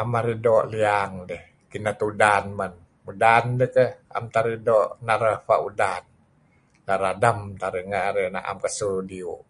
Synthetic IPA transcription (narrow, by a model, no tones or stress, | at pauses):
amaɾidoʔliaŋdɛh | kinat̪udanman | udandəhkəha̰mt̪aɾidɔʔnaɾəfaʔudan | laɾadamt̪aɾiŋaaɾena̰ʔa̰mkasudiuʔ